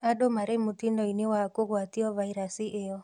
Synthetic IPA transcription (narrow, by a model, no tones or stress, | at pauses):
adomaɾemotindɔinewakoɣwatiɔvaiɾasiʔejɔ